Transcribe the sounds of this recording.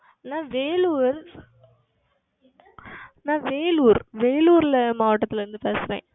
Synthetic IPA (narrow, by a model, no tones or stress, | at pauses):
nãːʋeːluːɾ | nãːʋeːluːɾʋeːluːɾlɐmaːʋɐʈːɐt̪ːɪlɐɾɯnd̪ɯpeːsɪɾḛ̃ː